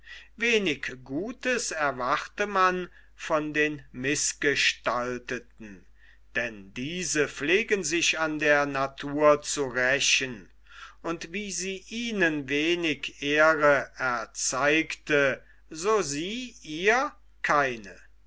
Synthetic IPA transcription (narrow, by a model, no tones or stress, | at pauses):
veːnɪkɡ̥uːtəsɛɐvaχtəman | fɔndeːnmɪsɡ̥əʃtaltətn̩ | d̥ɛndiːzəfleːɡənzɪʃandeːɐnatʰuːɐt͡suʁɛʃən | ʊntviːziːʔiːnənveːnɪkʔeːʁəɛɐt͡saɪktə | zoːziːʔiːɐ | kʰaɪnə